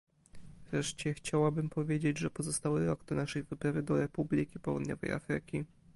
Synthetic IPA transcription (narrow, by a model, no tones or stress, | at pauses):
vɾɛʂt͡ɕɛxt͡ɕawabɘmpʰɔvʲjed͡ʑed͡ʑʐɛpɔzɔst̪awɘɾɔɡd̪̥ɔnaʂɛjvɘpɾavɘd̪ɔɾɛpublʲikʲipɔwṵd̪ɲɔ̰vɛ̰ja̰fɾɘ̰kʲi